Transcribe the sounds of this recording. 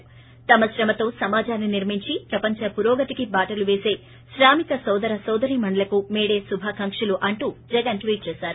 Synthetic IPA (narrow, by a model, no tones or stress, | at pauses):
t̪ɐmɐʃɾɐmɐt̪o̞ːsɐmaːd͡ʒaːnːiniɾmiɲt͡ʃipɾɐpɐɲt͡ʃɐpuɾoːɡɐt̪ikibaːʈɐluʋe̞ːse̞ː | ʃɾaːmikɐsɐwd̪ɐɾɐsɐwd̪ɐɾimɐɳɖɐlɐkumeːɽeːsubʱaːkɐŋkʂɐluʔɐɳʈud͡ʒɛɡɐnʈʋiːʈ̚t͡ʃeːsaːɾu